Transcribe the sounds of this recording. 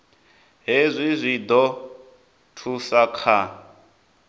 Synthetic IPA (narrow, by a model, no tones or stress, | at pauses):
ɦezʷizʷid̪ɔ | tʰusakʰa